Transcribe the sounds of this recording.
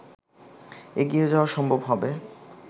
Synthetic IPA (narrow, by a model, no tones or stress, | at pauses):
eɡiod͡ʑawaɾʃɔmbʱobɦɔbe